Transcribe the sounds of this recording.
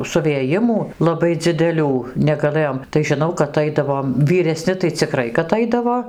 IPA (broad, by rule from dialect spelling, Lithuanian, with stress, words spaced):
sʊʋʲeːˈjɪmuː lˠɐˈbɐɪ d͡zʲɪdʲɛˈlʲuː nʲɛɡɐˈlˠɘjoːm tɐɪ ʒʲɪˈnɐʊ kɐt ˈɐɪdɐʋoːm ʋʲiːrʲɛˈsʲnʲɪ tɐɪ t͡sʲɪˈkrɐɪ kɐt ˈɐɪdɐʋoː